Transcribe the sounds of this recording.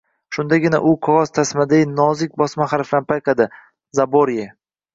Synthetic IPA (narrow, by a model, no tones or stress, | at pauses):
ʃʊnd̪aɡʲɪna̰ʔʊqʰɒʁɒzt̪ʰasmad̪anɒzɪk̚ʲbɒsmaχaɾfɪlanpʰajqʰɑd̪ɪ | zaboɾje